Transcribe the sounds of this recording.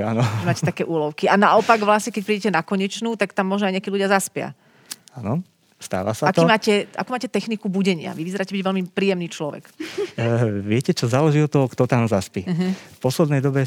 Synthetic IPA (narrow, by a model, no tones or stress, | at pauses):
anɔɛmaːcɛt̪akɛːʔuːlɔʊkianaɔpaɡʋlasɲɛkɛc̚pɾiːɟɛcɛnakɔɲɛt͡ʃnuːt̪akt̪amːɔʒnɔajɲɛakiːluɟɪazaspɪa̰ | anɔ | st̪a̰ːʋa̰saak̪ɔimaːcɛʔa̰kuːmaːcɛt̪ɛxnikubuɟɛɲɪa̰ʋiʋizɛɾaːcɛbiɟʋɛlmipɾiːjɛmniːt͡ʃlɔʋɛ̰k | ʋɪɛcɛt͡ʃɔzaːlɛʒiɔt̪ːɔɦɔkt̪ɔt̪amzaspiɦfpɔslɛd̪nɛjd̪ɔbɛ